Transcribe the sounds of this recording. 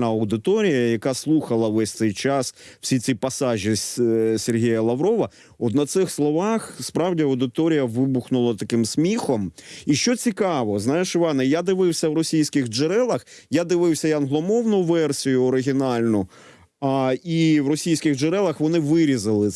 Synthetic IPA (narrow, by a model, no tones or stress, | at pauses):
nɐɐwd̪ɪt̪ɔɾʲijɐjɐkaɑslˠuxɐlˠɐʋɛsʲt̪sɛjt͡ʃɑsw̥sʲisʲipɐsɑʒʲisʲerɦʲijɐlˠɐʋɾɔʋɐ | ɔt̪nɐt̪sɪxslˠɔʋɑxspɾɑwdʲiɐwd̪ɪt̪ɔɾʲijɐʋɪbuxnʊlˠɐt̪ɐkɪmsʲmʲixɔmiʃt͡ʃɔt͡sʲikɑʋɔznɑjeʃɪʋɑnɛjad̪ɪʋɪwsʲɐwɾɔsʲijsʲkɪɣd͡ʒeɾɛlˠɐxjad̪ɪʋɪwsʲɐjɐnɦlˠɔmɔwnʊʋɛrsʲijʊɔɾɪɦʲɪnɑlʲnʊ | iwrɔsʲijsʲkʲɪɣd͡ʒeɾɛlˠɐxʋɔnɪʋɪɾʲizɐlˠɪ